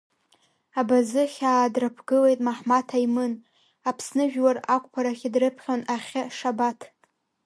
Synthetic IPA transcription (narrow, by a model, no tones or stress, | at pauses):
abazɨχʲaːdrapʰɡɨlejtʼmaħmatʰaimɨn | apʰsnɨʒᶣwarakʷʰʼpʰaɾaχʲidrɨpʰχʲonaχʲaʂabatʰ